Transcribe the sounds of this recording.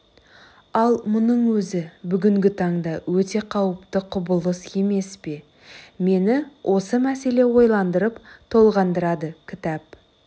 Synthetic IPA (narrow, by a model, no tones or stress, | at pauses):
ɑlˠmʊnəɴwɵzɪbʏɡʲɪŋɡʲɪt̪ʰɑɴd̪ɑwɵt̪e̞qʰɑwəpt̪əqʰʊbəlˠəse̞me̞spe̞ | me̞nɪwʔo̞səmæse̞le̞wo̞jlˠɑnd̪əɾəpt̪ʰo̞lˠʁɑnd̪əɾɑd̪əkʲʰɪt̪ɑp̚